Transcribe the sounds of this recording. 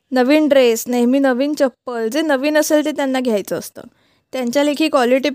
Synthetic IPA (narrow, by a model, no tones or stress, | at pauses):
nəʋiːnɖɾesneɦmiːnəʋiːnt͡ɕəpːəld͡zenəʋiːnəselt̪et̪janːaɡʱjajt͡səːst̪ə̰ | t̪jãɲt͡ɕjalekʰiːkʋɔliʈi